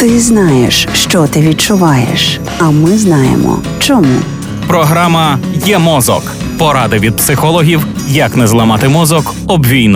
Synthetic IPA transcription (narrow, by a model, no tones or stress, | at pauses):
t̪ɪznɑjeʃʃt͡ʃɔt̪ɪʋʲit͡ʃʊʋɑjḛʃ | ɐmɪznɑjḛmɔ̰ | t͡ʃɔmṵ | pɾɔɦɾɑmɐjɛmɔzɔ̰k | pɔɾɑd̪ɪʋʲid̪̚psɪxɔlˠɔɦʲiw | jɐknɛzlˠɐmɑt̪ɪmɔzɔk | ɔbʋʲijnʊ